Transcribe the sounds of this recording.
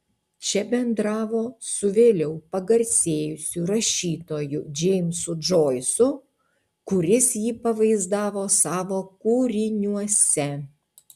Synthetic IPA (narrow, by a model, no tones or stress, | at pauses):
t͡ʃʲɛbʲɛnd̪ɾɑːʋoːsʊʋʲeːlʲɛʊpɐɡɐɾʲsʲeːjʊsʲuɾɐʃʲiːt̪oːjʊd͡ʒʲɛɪmʲsʊd͡ʒoːjɪsʊ | kʊɾʲɪsjiːpɐʋɐɪzd̪ɑːʋoːsɑːʋoːkuːɾʲɪnʲuɔsʲɛ